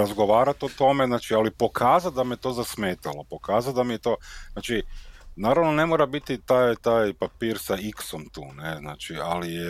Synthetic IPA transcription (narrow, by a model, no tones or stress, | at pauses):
azɡo̞ʋaːɾat̪ot̪o̞me̞znaːt͡ʃialipo̞kʰaːzat̪̚d̪amejet̪o̞zasmeːt̪alo̞po̞kaːzat̪̚d̪amijet̪o̞ːznaːt͡ʃinaːɾaʋnone̞moːɾabit̪it̪aːjt̪aːjpapiːɾsaikso̞mt̪ṵːnezna̰ːt͡ʃialije